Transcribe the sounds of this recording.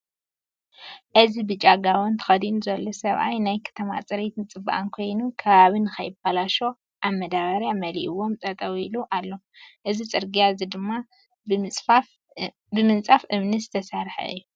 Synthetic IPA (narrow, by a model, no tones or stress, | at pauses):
ʔɨzibɨt͡ʃʼaɡawont̪ʰɐ̥xɐd̪inuzɐlːosɐβʔa̰jnajkʰɐ̥t̪ʰɐma̰t͡sʼɐɾet̪ʰɨnt͡sʼɨbːaʔankʰo̞jnukʰɐβaβinɨxɐjɪbalaʃo̞ | ʔaβmɐd̪aβɐɾjamɐliʔiwo̞mt̪ʼɐt̪ʼɐwiluʔalːo̞ | ʔɨzit͡sʼɨɾɡijazid̪ɨmːa | ff | bɨmɨnt͡sʼafʔɨβnɨzɨt̪ʰɐsaɾħɐ̰ɨ̰jːu